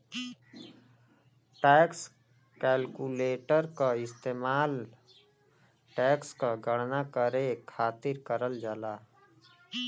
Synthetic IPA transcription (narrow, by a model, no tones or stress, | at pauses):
ʈɛːks | kɛːlkuleːʈəɾkaɪst̪eːmaːl | ʈɛːkskaɡəɽnakəɾekʰaːt̪ɪɾkəɾəld͡ʒalaː